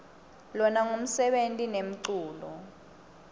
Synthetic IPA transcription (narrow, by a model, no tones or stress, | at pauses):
lɔnaŋom̩sɛɓentʼinem̩ǀuːlɔ